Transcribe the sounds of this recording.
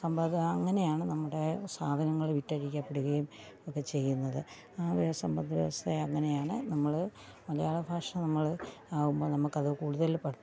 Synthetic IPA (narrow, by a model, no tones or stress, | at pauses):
sɐmbɐd̪ɐɐŋːɐne̞jaːɳɨnɐmːuɽe̞saːd̪ʱɐnɐŋːɐɭʋitːɐɾikʲːɐpːeɽuɣɐjum | okːe̞t͡ɕe̞jːunːɐðɨ | aːʋiʋɐsɐmbɐnd̪ʱiʋɐ̰ʋɐst̪ʰɐɐŋːɐne̞jaːɳɨnɐmːɐɭmɐlɐjaːɭɐbʱaːʂɐmnɐmːɐɭaːɣumbo̞ːnɐmːukːɐðɨkuːɽuðɐlpɐɽɐ